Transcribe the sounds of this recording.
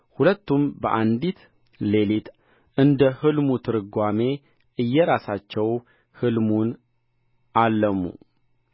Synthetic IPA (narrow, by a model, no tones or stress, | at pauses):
hulət̪ːumbəʔand̪it̪ | le̞lit̪ | ʔɨnd̪əhɨlmut̪ʰɨɾɨɡʷame̞ | ʔɨjːɛɾasat͡ʃːɛw | hɨlmun | ʔalːəmːṵ